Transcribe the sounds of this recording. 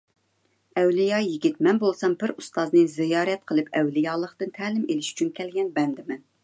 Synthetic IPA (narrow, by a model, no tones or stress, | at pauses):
ɛwlijɑjiɡʲit̪mɛnbolˠsɑmbɪɾust̪ɑznɨzɪjɑːɾɛt̪̚qʰəlˠɨpʰɛwlɪjɑːlˠəqt̪ɨnt̪ʰæːlɪmelɪʃy̥t͡ʃʰynkʲɛlɡʲɛnbɛnd̪ɪmɛn